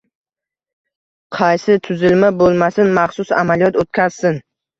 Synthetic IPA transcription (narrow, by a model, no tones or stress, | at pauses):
qʰɑjsɪt̪ʰʊzɪlmabolˠmasɪnmaχsʊsa̰malijɒt̪ot̪̚kʲaz̥sɪn